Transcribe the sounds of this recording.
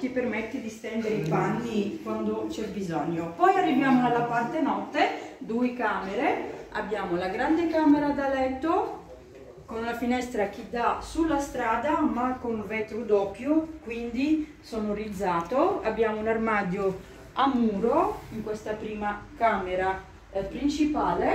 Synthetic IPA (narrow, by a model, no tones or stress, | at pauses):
k̟ipːermɛt̪ːed̪ist̪ɛnd̪eɾeipanːikwand̪ot͡ʃɛbːizɔɲːopɔjarːivjaːmoalːapart̪enɔt̪ːed̪uːekaːmeɾea̰bːjaːmolaɡɾand̪ekaːmeɾad̪alɛt̪ːo | konlafinɛst̪ɾak̟id̪asulːast̪ɾaːd̪amakːonvɛt̪ɾud̪ɔːkːjokwind̪i | sɔːnorid̪zːaːt̪oa̰bːjaːmounarmaːd̪jo | amːuːɾoiŋkwest̪apɾiːmakameɾa | pɾint͡ʃipaːle